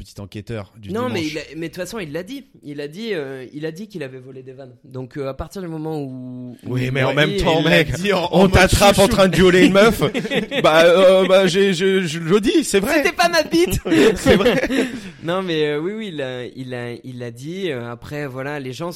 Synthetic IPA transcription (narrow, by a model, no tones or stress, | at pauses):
pət̪i̥t̪ɑ̃kʲɛt̪œ̰ʁd̪ynɔ̃mɛilamɛd̪t̪fasɔ̃ilːad̪i | ilːad̪iøilad̪ikilavɛvɔled̪evan | d̪ɔ̃køapaʁt̪iʁd̪ymɔmɑ̃uwimɛɑ̃mɛmtt̪ɑ̃ɛɔ̃t̪at̪χapɑ̃t̪χɛ̃d̪əjɔlenmœfbaøbaʒeʒəʒəʒəd̪isɛvʁɛet̪ɛpamabit̪sɛvʁɛnɔ̃mɛøwiwiːlailailːad̪iøapχɛvwalaleʒɑ̃